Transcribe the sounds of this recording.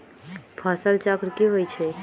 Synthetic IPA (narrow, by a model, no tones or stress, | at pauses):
pʰasəlt͡ʃakɾkiɦojt͡ʃʰe